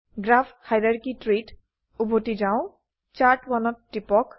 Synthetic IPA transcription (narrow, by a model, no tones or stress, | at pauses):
ɡɹapʰhajɹaɹkitɹit | ubʱotizaʊ̃ | t͡ʃaɹʈwanɔtːipɔk